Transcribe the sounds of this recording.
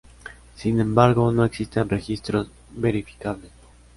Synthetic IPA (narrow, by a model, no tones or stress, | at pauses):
sinẽ̞mbaɾɡonoeksist̪enrexist̪ɾos | be̞ɾifi̥kaβles